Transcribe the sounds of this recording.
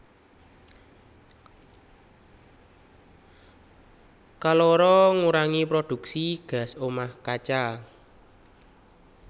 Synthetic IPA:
kaloɾɔŋuɾaŋipɾod̪̥ṳksiɡ̥a̤somahkat͡ʃa

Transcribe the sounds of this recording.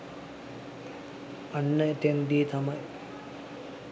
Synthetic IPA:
ɐnːɐʈ̪eŋd̪iːt̪ʰɐmɐj

